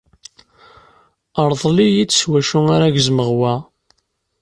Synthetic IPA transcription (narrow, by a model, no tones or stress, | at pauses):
əɾˤðˤlijit͡sːswæʃʊŋaɾaʝzməʁwæ